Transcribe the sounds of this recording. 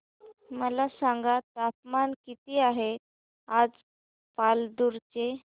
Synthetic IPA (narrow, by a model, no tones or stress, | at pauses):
məlasaŋɡat̪apmankit̪iːaɦe | ad͡z | pald̪uɾt͡ɕe